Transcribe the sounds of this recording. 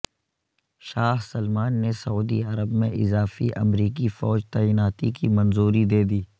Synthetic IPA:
ʃaːɦsɐlmaːnːesɐuːd̪ḭɐɾəbmẽʔɪzaːfiʔɐ̰mɾiːk̬ifɔːd͡ʒt̪aːiːnaːt̪ikimɐnzuːɾid̪eːd̪iː

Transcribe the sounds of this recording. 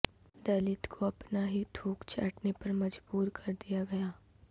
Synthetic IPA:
d̪ɐlɪt̪kʰoɐpnaɦit̪ʰuːkt͡ʃʰɐ̰ːʈnepɐɾmɐd͡ʒbuːɾkʰɐɾd̪ijaɡɐjaː

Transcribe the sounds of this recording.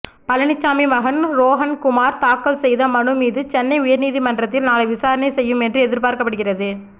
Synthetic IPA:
pɐlɐnɪt͡ʃːaːmimɐɣɐnɾoːɣɐnkʊmaːɾt̪aːkːɐlsɛjðɐmɐɳɯmiːðɯt͡ʃɛnːɐɪʊjɐɾniːðimɐndrɐt̪ːɪlnaːlɐɪʋɪsaːɾɐnɐɪsɛjːɯmɛndrɯɛðɪɾpaːɾkɐpːɐɽɯɣɪrɐðɯ

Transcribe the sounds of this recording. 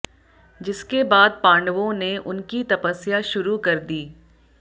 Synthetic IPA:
d͡ʒɪskebaːd̪̚pãːɳɖəʋõneʔʊnkit̪ɐpəsijaʃʊɾukɐɾd̪iː

